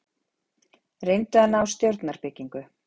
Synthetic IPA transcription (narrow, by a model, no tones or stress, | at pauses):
rejnt̪ʏhanːaawst̪jowɾt̪naɾpɪciŋkʏ